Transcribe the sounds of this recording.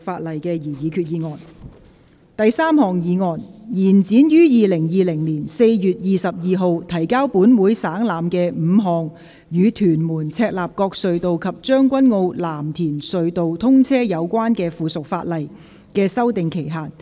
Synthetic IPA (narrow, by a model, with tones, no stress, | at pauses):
faː˧t̚lɐ˨˩jkɛː˧jiː˨˩jiː˨˧kʰyː˨˧t̚jiː˨˧ŋɔː˨n | t̪ɐ˨jsaː˥mhɔː˨ŋjiː˨˧ŋɔː˨˩njiː˨˩nt͡siː˨˥njyː˥jiː˨lɪ˨˩ŋjiː˨lɪ˨˩ŋliː˨˩nse˧jjyː˨˩t̚jiː˨sɐ˨p̚jiː˨ɦo˨˧wt̪ʰɐ˨˩jkaː˥wpuː˨˥nwuː˨˥jsaː˨˥ŋlaː˨mkɛː˧m̩ː˨˧ɦɔː˨ŋ | jyː˨˧t̪ʰyː˨˩nmuː˨˩nt͡sʰɛː˧k̚laː˨p̚kɔː˧k̚sɵ˨˧ɥt̪o˨wkʰɐ˨p̚t͡ʃœː˥ŋkʷɐ˥nŋo˧wlaː˨˩mt̪ʰiː˨˩nsɵ˨˧ɥt̪o˨wt̪ʰʊ˥ŋt͡sʰɛː˥jɐ˨˧wkʷwaː˥nkɛː˧fuː˨sʊ˨k̚fa̰ː˧t̚lɐ˨˩j | kɛː˧sɐ˥wt̪ɪ˨ŋkʰe˨˩jɦaː˨n̚